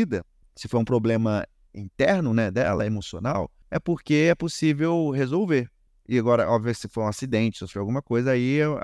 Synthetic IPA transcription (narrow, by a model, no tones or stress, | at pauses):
id̪ɐ | sɪfoɾũpɾoblẽmɐ | ḭ̃t̪ɛɾnʊnɛd̪ɛ̰lɐ̰ɛemosionaw | ɛpoɾkeɛposivewɦezowveɾ | ɪaɡɔɾɐʔɔbviɐmẽɪsɪfoɾũasid̪ẽnt͡ʃɪsosfojawɡũmɐkojzɐai